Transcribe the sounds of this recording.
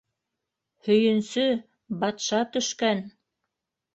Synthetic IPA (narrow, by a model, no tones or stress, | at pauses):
hɵ̆jɵ̆nsɵ | bɑt̪ʃɑt̪ɵ̆ʃkæn